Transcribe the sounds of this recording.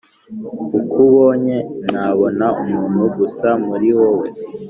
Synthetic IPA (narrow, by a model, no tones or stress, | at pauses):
ukuβoːɲe̞naβo̞naumuːn̥huɡusamuɾiwowe